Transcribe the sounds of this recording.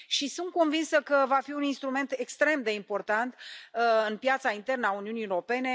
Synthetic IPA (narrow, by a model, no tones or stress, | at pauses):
ʃisunt̪̚ko̞nvinsəkəvafiuninst̪ɾume̞nt̪ekst̪ɾe̞md̪e̞impo̞rt̪ant̪ɨnpjat̪saint̪e̞rnəauniuniːeoɾo̞pe̞ne̞